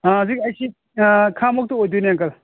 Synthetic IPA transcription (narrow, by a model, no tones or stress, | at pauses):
azik̚ɐjsi | kʰamɔk̚tuojdujnaŋkɐl